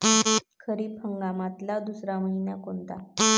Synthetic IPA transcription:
kʰəɾiːpʰəŋɡamat̪lad̪usɾaməɦinjakont̪a

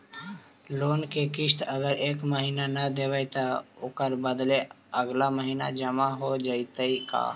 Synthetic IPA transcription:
loːnkekɪʃt̪əɡəɾeːkməɦiːnanəd̪eʋəjt̪aokəɾbəd̪le | əɡlaməɦiːna̰d͡ʒəmaɦod͡ʒaɪt̪əika̰ː

